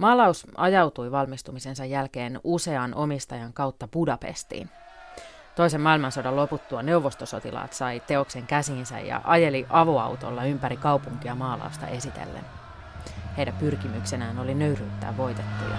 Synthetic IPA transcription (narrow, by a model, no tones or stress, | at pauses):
mɑːlɑusʔɑjɑwt̪ujʋɑlmist̪umise̞nsɑjːælke̞ːnuse̞ɑnʔo̞mist̪ɑjɑŋkɑwt̪ːɑpudɑpe̞̰st̪ḭːn | t̪o̞ise̞mɑːilmɑnsodɑlo̞put̪ːuɑne̞wʋːo̞st̪oso̞t̪ilɑ̰ːt̪sɑjt̪e̞o̞kse̞ŋkæsiːnsæ̰jɑ̰ʔɑje̞liʔɑʋoɑ̰wt̪o̰lːɑympæɾikɑwpuŋk̟iɑmɑːlɑ̰ust̪ɑ̰ʔe̞sit̪ḛlːḛn | hejdæmpyrkimyksenæːno̞linøyryːt̪ːæ̰ːʋʋo̞jt̪et̪ːujɑ̰